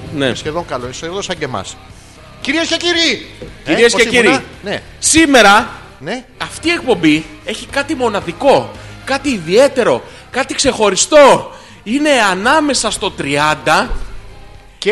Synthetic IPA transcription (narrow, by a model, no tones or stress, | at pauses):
nḛsçeðoŋkɐloiseoðosɐɲɟemɐ̰s | ciɾieskeciɾiciieskeciɾine | sime̞ɾɐ | neɐft̪iːe̞k̚po̞mbie̞çikɐt̪imo̞nɐðiko̞kɐt̪iːðie̞t̪e̞ɾo̞ | kɐt̪ikse̞xo̞ɾist̪o̞ | ine̞ɐnɐme̞sɐst̪o̞t̪ɾiɐnd̪ɐ | ce